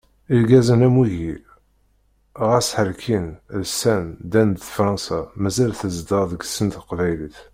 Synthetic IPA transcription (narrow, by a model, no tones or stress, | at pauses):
ilɡæzənæmwiʝi | ʁæsħəlkʰinlsænd̪ænd̪əfɾˤɑnsɑmæzælθəzd̪əɾˤðəɡsənt̪qvæjliθ